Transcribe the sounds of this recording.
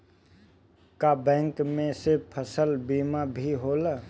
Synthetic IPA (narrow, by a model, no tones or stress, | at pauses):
kabɛ̃ːŋkmẽsepʰəsəlbiːmabʱiɦoːlə